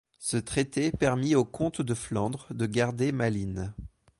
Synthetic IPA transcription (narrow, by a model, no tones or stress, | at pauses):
sət̪χet̪epɛʁmiokɔ̃t̪d̪əflɑ̃d̪ʁəd̪əɡaʁd̪emalin